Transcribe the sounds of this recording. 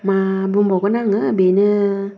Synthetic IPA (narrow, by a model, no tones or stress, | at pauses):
mãːbumbɔkunãŋɨbenɨ̃